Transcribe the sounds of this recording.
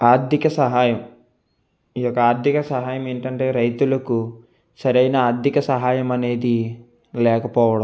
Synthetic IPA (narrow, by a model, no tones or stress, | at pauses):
aːɾd̪ʱjikɐsɐɦaːjɐm | iːjɔkːɐaːɾd̪ʱjikɐsɐɦaːjɐme̞ːɳʈɐɳʈe̞ːɾɐjt̪ulɐku | sɐɾɐjnɐaːɾd̪ʱikɐsɐɦaːjɐmɐne̞ːd̪i | lɛːkɐpɔːʋɐɽɐm